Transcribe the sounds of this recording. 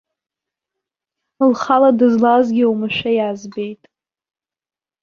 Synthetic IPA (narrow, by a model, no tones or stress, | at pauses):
lχaladɨzlazɡʲiwmɨʃʷᶣajazbejtʼ